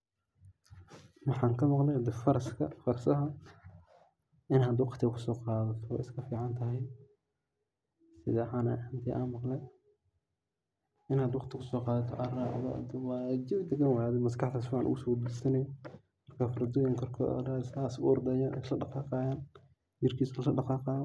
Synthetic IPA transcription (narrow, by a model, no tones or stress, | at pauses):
wɑħɑːŋkʰɐmɑqlɛjhɐd̪ɛfɐɾɐskʰɐfɐrsɐɦɐ | ɪnɦɐd̪wɑqt̪ʰɪɐkʰʊ̥sɔːqɑːðɐt̪ʰɔɔ̰ːɪskʰɐfiːʕɑnt̪ʰɐɦɛj | sɪðɛːħaːnɛ̰ħɪnt̪ʰiːʔa̰ːnmɑqlɛj | ɪnaːd̪wɑqt̪ʰɪkʰʊsɔːqɑːðɐt̪ʰɔ̰ʔɐraːʔðɔ̰d̪wɑːd͡ʒɪbd̪ɛɡɐnwajad̪ɛmɐskɑħt̪ʰaːsfiːʕɑnʔʊ̰ɣʊsɔːd̪ʊsɐnɛj | mɐrkʰafɐɾɐd̪ɔːjɪŋkʰɔrkʰɔ̰raːsaːsʊɔrd̪ɛjaːnɛ̰slɐɖɑqɑːqɑːjaːn | d͡ʒɪrkʰiːsllɐɖɑqɑːqɑːðɔ